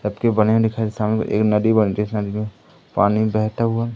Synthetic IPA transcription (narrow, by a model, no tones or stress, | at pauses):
ɐbkebɐnemẽd̪ɪkʰaekesaːmnḛʔḛːknɐd̪ibənd͡ʒesnɐd̪imẽ | paːnibɛɦt̪aɦua